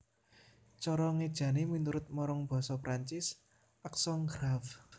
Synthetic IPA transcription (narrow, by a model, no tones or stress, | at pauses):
t͡ʃɔɾɔŋed̥ʒ̥ä̤neminuɾʊt̪̚mɔɾɔŋb̥ɔ̤sɔpɾaɲt͡ʃɪs | ʔaksɔŋɡɾaf